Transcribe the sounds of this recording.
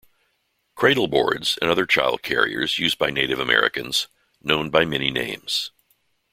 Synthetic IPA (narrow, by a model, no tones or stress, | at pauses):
kʰɹ̥eɪɾl̩ˠbɔ̰ɹdz̥ɨ̰̃nʌðə˞t͡ʃʰaɪlˠd̚kʰɛɹḭə̰˞zjʉz̚baɪneɪɾɨvɨmɛ̰ɹɨ̰kɨ̃nz̥ | nõʊ̃nbaɪmɛninḛ̃ɪ̃mz̥